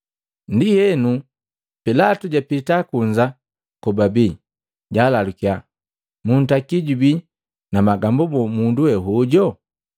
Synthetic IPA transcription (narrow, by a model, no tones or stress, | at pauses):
ndihɛnu | pilatuɟapitakuɲd͡ʒa | kɔbabiː | ɟalalukia | mun̩takiɟubi | namaɡambubɔmunduwɛɦuɟɔ